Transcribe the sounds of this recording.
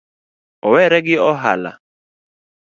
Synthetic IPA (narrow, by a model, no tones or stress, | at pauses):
ɔwɛɾɛɡɪɔɦa̰la̰